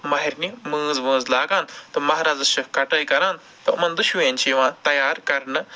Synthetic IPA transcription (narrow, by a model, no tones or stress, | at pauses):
mɐɦiɾnimɨ̃ːd͡zʋə̃ːd͡zlaːɡaːnt̪ɐmɐɦaːɾaːd͡zɐsʃɐkɐʈəːjikɐɾãːn | t̪ɐmɐnd̪uʃʋẽːnʲt͡ʃiʋãːt̪ɐjaːɾkɐɾɳɨ